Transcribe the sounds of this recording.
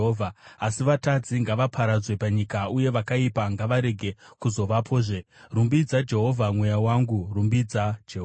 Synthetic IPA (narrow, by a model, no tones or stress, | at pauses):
ɦoːvʱaːsiʋatad͡ziŋɡaʋapʰaɾad͡zwe̞paɲikauje̞ʋakaipaŋɡaʋaɾe̞ɡʱe̞kuzo̞ʋapʰo̞ːʐe̞rumbid͡zad͡ʒe̞ɦo̞vʱamwe̞jawaŋɡurumbid͡zad͡ʒeɦo